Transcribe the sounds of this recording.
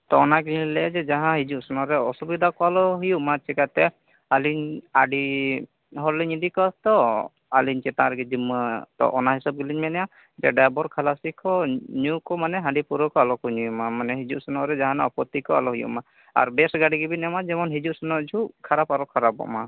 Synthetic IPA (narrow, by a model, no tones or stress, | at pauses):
t̪ɔɔnaɡililɛd͡ʒɛd͡ʒaɦãɦid͡ʒuʔsɔnɔɾɛɔsubid̪ʱakɔalɔɦujuʔmat͡ʃʰɛkat̪ɛ | aliɲaɖi | ɦɔɾliɲid̪ikɔst̪ɔ | aliɲt͡ʃɛt̪ãɾɛɡɛd͡ʒimət̪ɔ̰ʔɔnaɦisab̚ɡiliɲmɛnɛja | d͡ʒɛɖajbɔɾkʰalasikʰɔɲukɔmanɛɦãɳɖipuɾɔkɔalɔkɔɲujumamanɛɦid͡ʒuʔsɔnɔɾɛd͡ʒaɦãnaɔpɔt̪ikɔa̰lɔɦujṵʔma | a̰ɾbɛsɡaɽiɡibinɛmad͡ʒɛmɔnɦid͡ʒuʔsɔnɔd͡ʒʱuʔkʰaɾapaɾɔkʰaɾabɔ̰ʔma